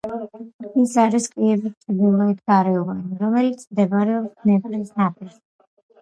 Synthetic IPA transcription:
isaɾiskʼiɛbist̪ʼɾd̪ilˠait̪ɡaɾɛɔvaniɾɔmɛlit̪sʰmd̪ɛbaɾɛɔpsmɛbɾisnapʼʰis

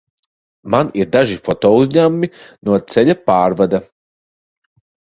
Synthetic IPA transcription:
manid̪aʒifot̪ouzɲamːinoːd̪̚t̪seʎepaːɾʋad̪e

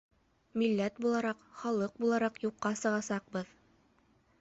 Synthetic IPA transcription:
milːæt̪bulˠɑɾɑqχɑlˠɤq̚bulˠɑɾɑqjuqːɑsɤ̆ʁɑsɑq̚bɤð

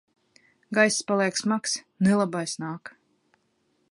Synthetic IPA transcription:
ɡajsspalˠiɛksmaks | nelˠabajsnaːk

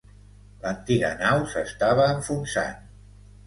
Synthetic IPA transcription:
lənt̪iɣə̰nawsəst̪aβ̞əːɱfunsa̰n

